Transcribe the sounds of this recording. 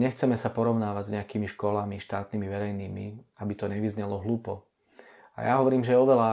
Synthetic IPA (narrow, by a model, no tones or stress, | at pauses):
ɲɛxt͡sɛmɛsapɔɾɔʊnaːʋaɟzɲɛakiːmiʃkɔlamiʃt̪aːt̪nimiʋɛɾɛjniːmḭabit̪ɔɲɛʋizɲɛlɔɦluːpɔ | a̰jaɦɔʋɔɾiːmʒɛɛɔʋɛla